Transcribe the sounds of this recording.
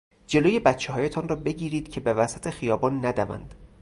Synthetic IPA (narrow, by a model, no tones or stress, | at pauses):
d͡ʒe̞loːje̞bæt̪t͡ʃʰːeɦɒːje̞t̪ʰɒːnrɒːbe̞ɟiːɾiːd̪̥cʰe̞be̞væsæt̪ʰe̞xijɒːbɒːnːæd̪ævæ̰nd̪̥